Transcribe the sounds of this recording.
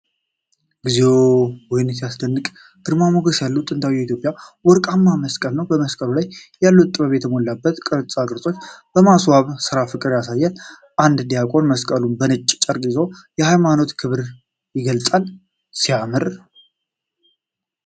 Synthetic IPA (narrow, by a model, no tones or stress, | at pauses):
ɡizewwɔjɪnsijasd̪ənːɨkʼ | d̪̥ɨɾmamoɡəsjalːut̪ʼɨnt̪ʰawijɛit̪jo̞pʼjawɔɾkʼamːaməskʼəlnəwbəməskʼəlulajjalːut̪ʼɨβəβjɛt̪ʰəmolːabːət̪kʼɨɾt͡sʼakɨɾt̪ʼo̞t͡ʃːb̥əmaswaβsɨɾafɨkʼɨɾjasajːal | ʔand̪d̪ijakʼo̞nməskʼəlunbənɨt͡ʃʼːt͡ʃʼəɾɡize̞wjɛhajmano̞t̪kʰɨβɾ | jɪɡəlt͡sʼal | sijamɨɾ